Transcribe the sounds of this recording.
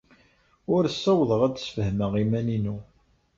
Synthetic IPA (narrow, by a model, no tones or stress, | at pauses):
ʊɾsːæwðˤəʁæd̪sfəhməʁimæninu